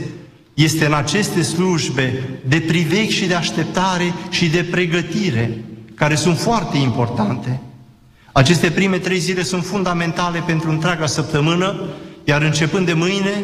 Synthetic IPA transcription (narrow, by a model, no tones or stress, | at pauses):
je̞st̪e̞ɨnat͡ʃe̞st̪e̞sluʒbe̞d̪e̞pɾive̞kʲʃid̪e̞aʃt̪e̞p̚t̪aɾe̞ʃid̪e̞pɾe̞ɡət̪iɾe̞kaɾe̞sunt̪foart̪e̞impo̞rt̪ant̪e̞ | at͡ʃe̞st̪e̞pɾime̞t̪ɾe̞jzile̞sunt̪fund̪ame̞nt̪ale̞pe̞nt̪ɾuɨnt̪ɾʲeaɡasəp̚t̪əmɨnəjaɾɨnt͡ʃe̞pɨnd̪e̞mɨjne̞